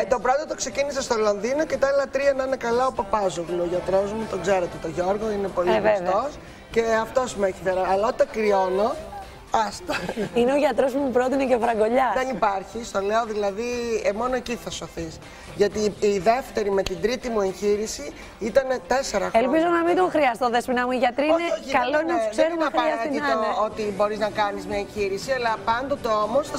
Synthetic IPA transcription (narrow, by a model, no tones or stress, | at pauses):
t̪o̞bɾot̪ɐt̪o̞kse̞cinis̬est̪o̞lo̞nðino̞ce̞t̪ɐɐlɐt̪ɾiɐnɐnekɐlɐopɐpɐzoɣloːʝɐt̪ɾo̞zmut̪o̞ɡze̞ɾot̪et̪oʝo̞ɾɣo̞inepo̞livest̪os | ce̞ɐft̪o̞smueçifeɾɐɐlɐot̪ekɾiono̞ | ɐst̪ɐineoʝɐt̪ɾosmumupɾot̪inecevɾɐɡo̞ʎɐðenipɐɾçist̪o̞leoðilɐðiemo̞noeciθɐso̞θis | ʝɐt̪iːðe̞ft̪e̞ɾime̞t̪ind̪ɾit̪imue̞ɲçiɾisi | it̪ɐne̞t̪e̞se̞ɾɐelpizonɐmind̪oŋxɾiɐst̪oðespinɐmuiʝɐt̪ɾinekɐlonɐkseɾimɐxɾiɐsint̪ɐneot̪ibo̞ɾiznɐkɐnizmɲɐeɲçiɾisiɐlɐpɐnd̪o̞t̪e̞o̞mo̞s